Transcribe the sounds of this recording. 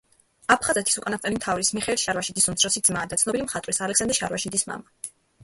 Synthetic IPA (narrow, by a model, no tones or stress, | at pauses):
apʰχazɛt̪ʰi̥sukʼanat̪ʼɛlimt̪ʰavɾismiχɛlʃaɾvaʃid̪isumt̪sʰɾɔsid̪zmaːd̪at̪sʰnɔbilimχat̪ʼwɾisalɛkʰsand̪ɾʃaɾvwaʃid̪isma̰ma